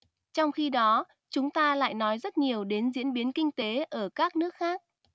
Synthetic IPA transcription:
t͡ɕɔ˧wŋ͡mxi˧ɗɔ˨˦ | t͡ɕʊ˨˦ŋ͡mt̪aː˧la̰ː˧˨jnɔ˨˦jzə˦˥t̚ɲi˨˩əwɗe˨˦nzḭ˧˥ənɓi˨˦ənkï˧ŋ̟t̪e˨˦ʔəː˧˩kaː˦˥k̚nɨ˦˥ək̚xaː˦˥k̚

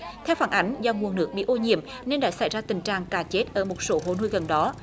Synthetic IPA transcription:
t̪ʰɛ˧wfaː˧˩nʔa˨˦jŋ̟za˨˧˩wŋu˨˩ənnɨ˦˥ək̚ɓḭ˧˨ʔo˧ɲḭ˧˨əm | ne˧nɗa̰ː˧˥sa˧˩jzaː˧t̪ï˨˩ŋ̟t͡ɕa̰ː˨ŋkaː˨˩t͡ɕe˦˥t̚ʔəː˧˩mo˨˩t̚so˨˦ɦo̰˧˨nu˧jɣə˨˩nɗɔ˨˦

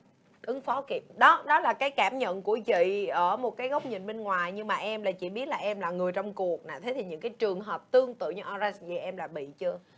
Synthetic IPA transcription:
ʔɨ˨˦ŋfɔ˨˦ki˨˩p̚ɗɔ˨˦ɗɔ˨˦laː˨˩kaː˨˦jkaː˧˩mɲə̰˧˨nku˧˩əvḭ˧˨ʔəː˧˩mo˨˩t̚kaː˨˦jɣə˦˥wk͡p̚ɲḭ˨nɓe˧nŋwaː˨˩jɲɨ˧ŋmaː˨˩ʔɛ˧mlaː˨˩t͡ɕḭ˧˩ɓi˦˥ət̚laː˨˩ʔɛ˧mlaː˨˩ŋɨ˨˩əjt͡ɕɔ˧wŋ͡mku˨˩ək̚na̰ː˨˩t̪ʰe˨˦t̪ʰi˨ɲɨ̰˧˥ŋkaː˨˦jt͡ɕɨ˨˩əŋɦəː˨˩p̚t̪ɨ˧əŋt̪ɨ̰˧˨ɲɨ˧ʔɔ˧za˧˦szi˧˨˩ʔɛ˧mlaː˨˩ɓḭ˧˨t͡ɕɨ˧ə

